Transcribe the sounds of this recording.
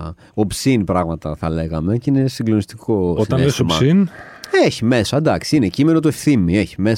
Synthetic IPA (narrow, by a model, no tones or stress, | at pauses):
o̞psinpɾɐɣmɐt̪ɐθɐle̞ɣɐme̞cine̞siɡlo̞nist̪i̥ko̞osit̪ɐnlesomɐsineçime̞sɐd̪ɐksiinecime̞not̪uefθimieçi̥me